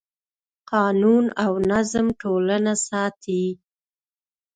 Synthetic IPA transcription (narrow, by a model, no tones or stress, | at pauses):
qɑnunawnazmʈolanasɑt̪i